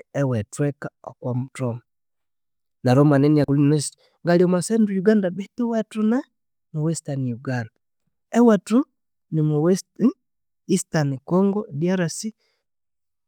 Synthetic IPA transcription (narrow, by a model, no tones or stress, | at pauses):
ɛwɛtwɛkaɔkwamutɔma | naɾɔmanɛniakulnɛs | ŋɡaliɔmasɛndujuɡandabetuwatuna | nowɛstanijuɡanda | ɛwatu | nɪmowɛst | istanikɔŋɡɔdiaɾasi